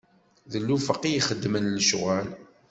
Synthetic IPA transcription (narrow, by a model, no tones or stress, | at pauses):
ðəlːufəqːijiχəd̪ːmənləʃʁæl